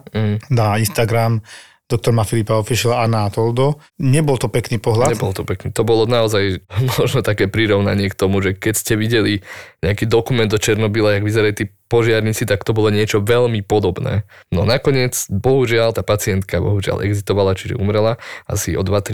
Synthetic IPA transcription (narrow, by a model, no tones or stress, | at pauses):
ɦ̩nainst̪aɡɾam | d̪̥ɔk̚t̪ɔɾmafilipaɔfiʃɛlanaat̪ɔld̪ɔ | ɲɛbɔlt̪ɔpɛkniːpɔɦlaɲtɛbɔlt̪ɔpɛkniːt̪ɔbɔlɔnaɔzajmɔʒnɔt̪akɛːpɾiɾɔʊna̰ɲɪɛkt̪ɔmuʒɛkɛcscɛʋiɟɛliɲɛakiːd̪ɔkumɛnd̪ɔt͡ʃɛɾnɔbilajaɡʋizɛɾalit̪iːpɔʒɪaɾɲit͡sit̪akt̪ɔbɔlɔɲɪɛt͡ʃɔʋɛʎmipɔd̪ɔbnɛ̰ːnɔ̰nakɔɲɪɛt͡sbɔɦuʒɪalt̪aːpat͡siɛnt̪kabɔ̰ɦuʒɪa̰lɛ̰ɡzist̪ɔʋalat͡ʃiʒɛ̰umɾɛlaa̰siɔd̪ʋat̪ɾ